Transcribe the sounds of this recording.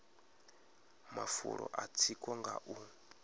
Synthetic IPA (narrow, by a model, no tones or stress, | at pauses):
mafuɺɔʔat͡sʰikʼɔŋɡaʔu